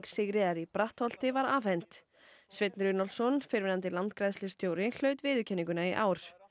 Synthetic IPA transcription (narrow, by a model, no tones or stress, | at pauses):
ksɪɣɾɪðaɾipɾaht̪hɔl̥t̪ɪvaɾaːvhɛnt̪ | svɪt̪nɾʏnɔlsɔnfɪɾvɪnant̪ɪlant̪kɾajðslɪst̪jowɾɪl̥œːɥt̪vɪːðʏcʰɛnːiŋkʏnaiʔaːwɾ̥